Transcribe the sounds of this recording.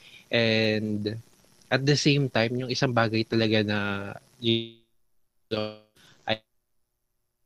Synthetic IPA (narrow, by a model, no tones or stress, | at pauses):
ʔɛnd̪ | ʔɐt̪̚d̪ɐsejmt̪ajmjʊŋɪsaŋbaːɡɐjt̪ɐlɐɡanɐ | ji | o | ʔɐ